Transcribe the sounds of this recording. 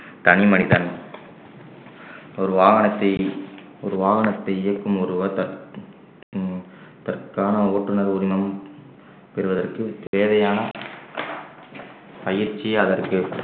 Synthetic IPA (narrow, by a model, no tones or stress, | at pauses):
t̪ɐnimɐnɪðɐn | ɔɾɯʋaːɣɐnɐt̪ːɐɪ | ɔɾɯʋaːɣɐnɐt̪ːɐɪɪjɐkːɯmɔɾɯʋɐt̪ɐ | t̪ɐrkaːnɐoːʈrɯnɐɾʊɾɪmɐm | pɛɾɯʋɐðɐrkɯt̪eːðɐjaːnɐ | pɐjɪɾt͡ʃːiɐðɐrkɯ